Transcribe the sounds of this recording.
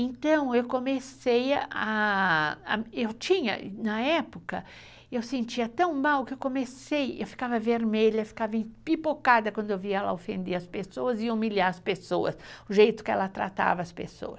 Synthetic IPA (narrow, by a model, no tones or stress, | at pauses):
ẽnt̪ɐ̃w̃ewkõmesejɐʔa | a̰ewt͡ʃĩɲɐ̰nɐɛpʊkɐ | ewsẽnt͡ʃiɐt̪ɐ̃w̃mawkɪewkõmesejḛwfi̥kavɐveɾmeʎɐfi̥kavɐẽpipokad̪ɐkwɐ̃nd̪ʊewviɛlɐ̰ofḛ̃nd̪eɾɐspesoɐzɪumilaɾɐspesoɐ̰sʊʒejt̪ʊ̥kɪɛ̰lɐt̪ɾa̰t̪a̰vɐɐspḛso̰ɐs